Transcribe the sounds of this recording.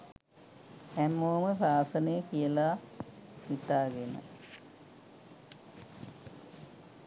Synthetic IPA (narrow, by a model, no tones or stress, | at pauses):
hæmːoːməsaːsənəjəkijəla | ʋit̪aːɡenə̰